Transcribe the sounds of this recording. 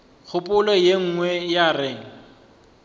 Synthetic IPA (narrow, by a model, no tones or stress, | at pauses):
k͡xʰʊpʼʊlɔjeŋ̩ŋwɛjarɪːŋ̩